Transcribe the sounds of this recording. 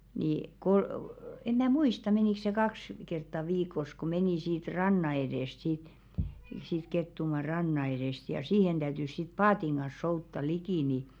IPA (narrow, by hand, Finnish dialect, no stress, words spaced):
ni kol em mæˑ muistɑ meniˑks̆ se kɑks kertːɑ ʋiːkˑos ku meniˑ siːt rɑnːɑ edeˑst siˑt siːt ketːumɑː rɑnːɑ eɾeˑst jɑ siːhen d̥æytys sit pɑːtiŋ ɡ̊ɑn̞s soutːɑ likiˑ ni